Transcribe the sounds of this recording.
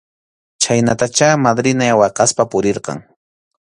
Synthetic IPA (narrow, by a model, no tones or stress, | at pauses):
t͡ʃajnat̪at͡ʃamad̪ɾɪnajawɑqɑspapʊɾɪɾqɑ̰ŋ